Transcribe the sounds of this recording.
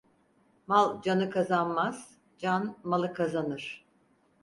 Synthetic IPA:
malˠd͡ʒanɯkʰazanmaz̥ | d͡ʒanmalˠɯkʰazanɯɾ̥

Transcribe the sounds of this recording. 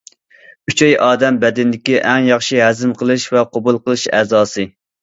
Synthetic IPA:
yt͡ʃʰɛjʔɑːd̪ɛmbɛd̪ɪnd̪ɪkʲiʔɛŋjɑχʃiɦɛzɪmqʰəlˠɨʃvɛqʰobulˠqəlˠɨʃɛ̰ːzɑːsɨ

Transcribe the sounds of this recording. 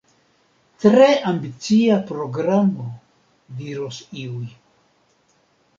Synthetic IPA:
tɾeʔambit͡siapɾo̞ɡɾamo | diɾosiuj

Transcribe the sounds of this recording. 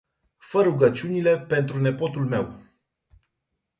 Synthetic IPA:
fəɾuɡət͡ʃiunile̞pe̞nt̪ɾune̞po̞t̪ulme̞̰w

